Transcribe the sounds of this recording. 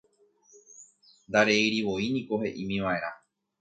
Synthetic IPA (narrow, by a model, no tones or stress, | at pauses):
nd̪aɾe̞iɾiʋo̞inĩko̞he̞ʔĩmĩʋaeɾa